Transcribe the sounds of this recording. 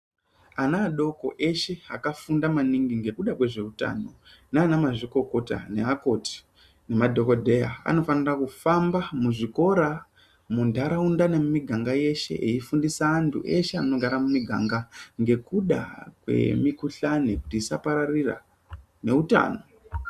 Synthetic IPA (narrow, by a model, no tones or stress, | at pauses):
anaːɗo̞ko̞̰ʔe̞ʃe̞akafundamaniŋɡiŋɡe̞kuɗakwe̞ʐe̞uta̰no̞̰ | neanamaʐiko̞ko̞ta̰ne̞ako̞ti̥ | ne̞madʱo̞ko̞dʱe̞jaa̰no̞fanirakufambamuʐiko̞ɾa | mundʱaɾaundanemmiɡʱaŋɡaje̞ʃe̞̰ʔeifundisaːntʰṵʔe̞ʃe̞a̰no̞ɡʱaɾamumiɡʱa̰ŋɡaŋɡe̞kuɗa̰kwe̞̰mikuɬanekutiːsapaɾarira̰ | ne̞uta̰ːno̞